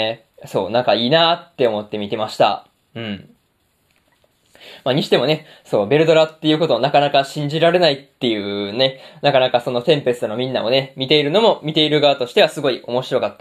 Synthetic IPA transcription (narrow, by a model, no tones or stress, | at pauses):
so̞ːnãŋkaiːnaːt̪ːe̞o̞mo̞t̪ːe̞mʲit̪e̞maɕi̥t̪a̰ | ɯ̟̃ɴ | maɲ̟iɕi̥t̪e̞mo̞ne̞ | so̞ːbe̞ɾɯ̟d̪o̞ɾat̪ːe̞jɯ̟ko̞t̪o̞ːnakanakaɕĩɲ̟d͡ʑiɾaɾe̞nait̪ːe̞jɯ̟ːne̞nakanakaso̞no̞t̪ẽ̞mpe̞t͡sɨt̪onomʲĩnːao̞ne̞mʲit̪e̞iɾɯ̟no̞mo̞mʲit̪e̞iɾɯ̟ɡaːt̪o̞ɕi̥t̪e̞asɨɡo̞io̞mo̞ɕiɾo̞kat̪ːa